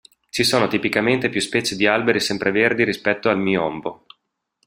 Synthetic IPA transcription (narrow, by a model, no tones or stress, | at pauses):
t͡ʃisoːnot̪ipikament̪epjuspɛːt͡ʃed̪ialbeɾisɛmpɾeverd̪iɾispɛt̪ːoalmiːoɔmbo